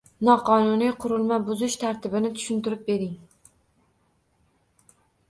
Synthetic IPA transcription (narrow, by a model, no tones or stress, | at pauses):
nɒqɒnʊnijqʰʊɾɪlˠmabʊzɪʃt̪ʰaɾt̪ɪbɪnɪt̪ʰʊ̥ʃɪnt̪ɪɾɪp̚be̞ɾɪŋ